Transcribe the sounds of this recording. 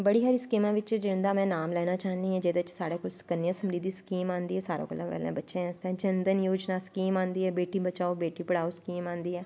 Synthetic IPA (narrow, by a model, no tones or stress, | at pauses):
bəɽiːɦaːɾiskiːmãːʋɪt͡ʃd͡ʒɪɽ̃d̪aːmɛ̃ːnaːmlɛːnaːt͡ʃaːɦnd̪iːɦɛ̃ːd͡ʒeːd̪et͡ʃsaːɽeːkoːlsə̥kənjãːsəmɾiːd̪iːskiːmãːnd̪iːɦɛːsaːɾõ̰ːkə̰lːã̰ːpɛ̰ːlɛ̰̃ːbətːʃẽːst̪ẽːt͡ʃənd̪ənjoːd͡ʒnaːskiːmãːnd̪iːɦɛːbeːʈiːbət͡ʃaːoːbeːʈiːpəɽaːoskiːmãːnd̪iːɛː